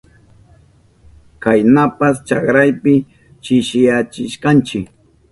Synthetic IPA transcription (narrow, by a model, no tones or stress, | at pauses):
kajnapast͡ʃakɾajpɪ | t͡ʃɪʃɪjat͡ʃɪʃkant͡ʃɪk